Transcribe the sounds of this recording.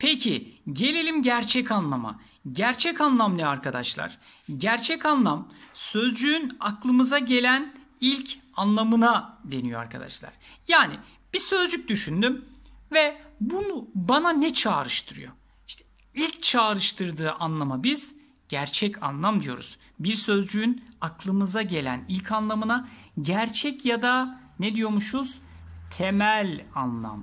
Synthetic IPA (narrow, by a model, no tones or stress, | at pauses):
pʰecʰiɟe̞lʲe̞lʲimɟæɾt͡ʃʰɛcanlˠama̰ | ɟæɾt͡ʃʰɛcanlˠamd̪ɛaɾkʰad̪aʃlˠa̰ɾ̥ | ɟæɾt͡ʃʰɛcanlˠamsø̞zd͡ʒyynaklˠɯmɯzaɟe̞lʲæn | ilʲcʰanlˠamɯnad̪e̞nijoa̰ɾkʰad̪a̰ʃlˠa̰ɾ̥jaːni | b̥isø̞zd͡ʒyc̚d̪yʃynd̪ym | vɛbunubananɛt͡ʃʰaːɾɯʃt̪ʰɯɾɯ̰jo̞̰ | iʃt̪ʰɛ | ilʲct͡ʃʰaːɾɯʃt̪ʰɯɾd̪ɯːʔanlˠamabiz̥ | ɟ̥æɾt͡ʃʰɛcʰa̰nlˠamd̪ijo̞̰ɾṵz̥ | biɾsø̞zd͡ʒyynaklˠɯmɯzaɟe̞lʲæ̰nilʲcʰanlˠamɯnaɟæɾt͡ʃʰɛcjad̪aned̪ijo̞muʃuz̥t̪ʰe̞mælʲanlˠa̰m